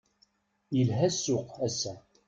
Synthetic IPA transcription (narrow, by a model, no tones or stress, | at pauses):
jəlɦæsʊqæsæ